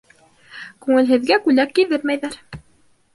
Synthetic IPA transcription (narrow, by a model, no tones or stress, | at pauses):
kʉŋɘ̆lɦɘ̆ðɡækʉlækːiðɘɾmæjðæɾ